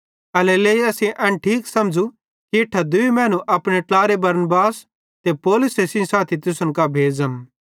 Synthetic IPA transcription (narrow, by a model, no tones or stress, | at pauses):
ɐleleːiɐsẽʔɛ̃nʈʰiːksɐmd͡ʒu | kiɪʈʰːad̪ʊimɛ̃ːnũʔɐpɽ̃eʈlaːɾebɐɾnbaːs | t̪epoːlʊsesĩsaːt̪ʰit̪ʊsə̃nkabʱeːd͡zəm